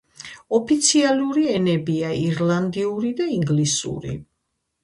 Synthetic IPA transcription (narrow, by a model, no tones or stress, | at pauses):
ɔpʰit̪sʰialuɾiɛnɛbiaiɾland̪iuɾid̪aiŋɡlisṵɾḭ